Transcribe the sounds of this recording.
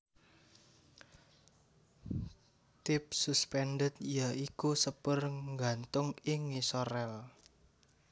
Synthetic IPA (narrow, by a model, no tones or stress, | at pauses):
t̪ɪp̚suspɛnɖət̪̚ijaikusəpərŋɡant̪ʊŋɪŋisɔɾɛl